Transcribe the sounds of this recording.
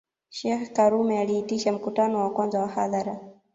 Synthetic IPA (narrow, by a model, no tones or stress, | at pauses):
ʃɛxkaɾumɛaliːtiʃam̩kutanɔwakwanzawahaðaɾa